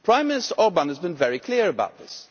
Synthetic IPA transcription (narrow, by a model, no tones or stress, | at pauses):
pʰɹ̥ãɪ̃mːɪnɨstəɔlbãnəzbɨ̃nvɛɹikʰl̥ɪəɹəbaʊt̪̚ðɪs